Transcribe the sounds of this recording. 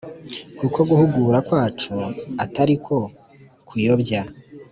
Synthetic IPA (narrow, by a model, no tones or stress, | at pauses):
kukʰo̞ɡuhuɡuːɾakwaːt͡ʃuataɾikʰo̞ | kʰujobja